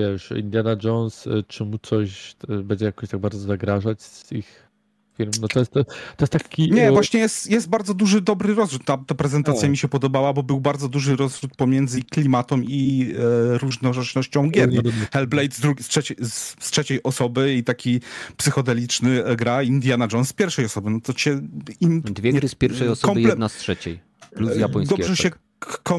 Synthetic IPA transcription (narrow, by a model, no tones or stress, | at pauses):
vjɛʂḭnd̪ʲjad̪ad͡ʐɔnst͡ʂɘmut̪sɔɕbɛɲd͡ʑɛjakɔɕt̪aɡ̚baɾd̪zɔzaɡɾaʐat͡ɕsix | fʲilmnɔt̪ɔjɛst̪ːt̪ɔjɛst̪t̪ːakʲiɲɛvwaɕɲɛjɛst̪jɛst̪̚baɾd̪zɔd̪uʐɘd̪ɔbɾɘɾɔzvɾut̪ːat̪apɾɛzɛnt̪at̪sjamʲiɕɛpɔd̪ɔbawabɔbɘwbaɾd̪zɔd̪uʐɘɾɔzvɾut̪̚pɔmʲjɛnd̪zɘklʲimat̪ɔmi | ɾuʐnɔʐɛt͡ʂnɔɕt͡ɕɔ̃w̃ɡʲɛɾxɛlblɛjt̪zd̪ɾuɡʲstʂɛt͡ɕɛsstʂɛt͡ɕɛjʔɔsɔbɘit̪akʲipsɘxɔd̪ɛlʲit͡ʂnɘɡɾaind̪ʲjanad͡ʐɔnsːpʲjɛɾfʂɛjɔsɔbɘnɔt̪ɔt͡ɕɛimd̪vʲjɛɾspʲjɛɾfʂɛjɔsɔkɔmjlɛɛnastʂɛt͡ɕḛj | pluzjapɔjsd̪ɔʐɛɕɛ | kɔ